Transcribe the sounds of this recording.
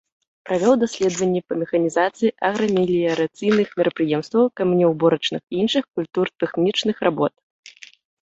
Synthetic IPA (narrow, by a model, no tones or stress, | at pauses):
pɾavʲɔwd̪asʲlʲɛd̪vɐnʲːɛpɐmʲɛxɐnʲizat̪sɨjiʔɐɣɾɐmʲilʲiɐɾat̪sɨjnɨxmʲɛɾɐpɾɨjɛmst̪vɐwkɐmnʲɛwbɔɾɐt͡ʂnɨxinʂɨxkulʲt̪urt̪ɛxnʲit͡ʂnɨxrabɔt̪̚